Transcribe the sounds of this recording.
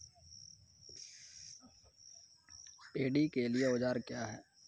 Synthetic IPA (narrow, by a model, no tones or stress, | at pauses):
peːɖikelieʊd͡ʒaːɾkjaːɦɛː